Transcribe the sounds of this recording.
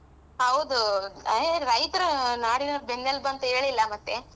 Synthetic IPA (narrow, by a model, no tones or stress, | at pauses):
ɐwd̪ueɾɐjt̪ɐɾɐnaːɽinɐbenːɐlːbɐnt̪ɐeːɭilːɐmɐt̪ːe